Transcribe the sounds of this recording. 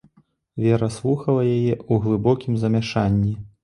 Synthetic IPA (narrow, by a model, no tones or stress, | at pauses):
vʲɛɾɐslˠuxɐlˠɐjajɛuɣlˠɨbɔkʲimzɐmʲaʂanʲːi